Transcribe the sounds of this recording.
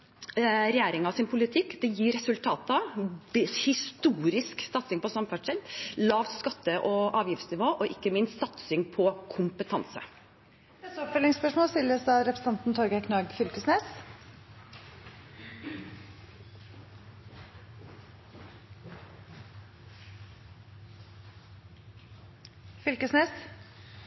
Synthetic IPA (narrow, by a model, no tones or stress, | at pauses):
ɾɛjæːɾɪŋɑsɪnpʰʊlɪt̪ʰɪkːd̪ɛjiːɾɛsʉlt̪ʰɑːt̪ɑ | hɪst̪uːɾɪsksɑt̪sɪŋpɔsɑmfæʈʂɛllɑːʋskɑt̪ːəʔɔʔɑːʋjɪft̪snɪʋoːʔɔʔɪkːəmɪnst̪sɑt̪sɪŋpʰɔkʰʊmpət̪ʰɑnsə̰̥ | ɛsɔpfœlɪŋspœʂmoːlsɪljəsd̪ɑːɾɛpɾəst̪ɑnt̪n̩t̪ʰɔɾɡəɛkʰnɑːɡfʏlkəsneːs | fʏlkəsneːs